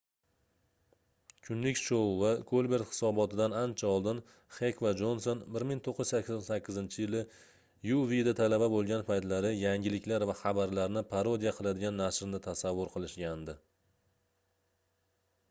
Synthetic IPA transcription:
kʲʰʊnlɪkʲʃowvaɡolʲbe̞ɾt̪hɪ̥sɒbɒt̪ɪd̪anant͡ʃʰaɒlˠd̪ɪn | χekʰvad͡ʒo̞nso̞nbɪɾmɪŋt̪ʰoqʰːʏz̥sakʲʰːsɒnsakʲːɪzɪnt͡ʃʰɪjɪlɪ | juvid̪at̪ʰalababolˠɡʲanpʰajt̪laɾɪjaŋʲɪlɪkʲlaɾvaχabaɾlaɾnɪpʰaɾod̪ijaqʰɨlˠad̪ɪɡʲanːaʃɾnɪt̪ʰasavːʊɾqʰɨlˠɪʃɡʲand̪ɪ

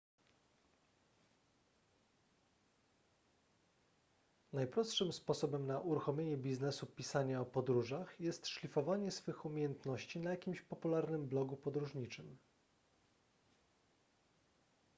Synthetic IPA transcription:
najpɾɔst̪ʂɘmspɔsɔbɛmnaʔuɾuxɔmʲjeɲɛbʲiznɛsupʲisaɲaɔpɔd̪ɾuʐaxjɛst̪ʂlʲifɔvaɲɛsfɘxumʲejɛnt̪nɔɕt͡ɕinajakʲimɕpɔpulaɾnɘmblɔɡupɔd̪ɾuʐɲit͡ʂɘm

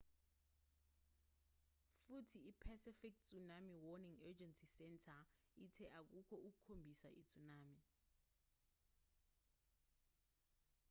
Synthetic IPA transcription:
futʰiipʰɛsifik̚t͡sʼunamiwɔniŋɛd͡ʒɛnsisɛntʰa | itʰɛʔak̬ukʰɔuk̬ukʰombʱisa̰ʔit͡sʼunaːmi

